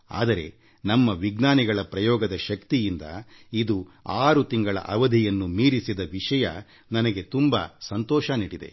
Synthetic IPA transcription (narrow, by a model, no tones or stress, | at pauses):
a̰ːd̪ɐɾe̞ | nɐmːɐʋiɡnaːniɡɐɭɐpɾɐjɔːɡɐd̪ɐʃɐkt̪ijind̪ɐ̰id̪uaːɾut̪iŋɡɐɭɐ̰ʔɐʋɐd̪ʱijɐnːumiːɾisid̪ɐʋiʂɐjɐ̰ | nɐnɐɡe̞t̪umba̰ːsɐnt̪ɔːʃɐniːɽid̪e̞̰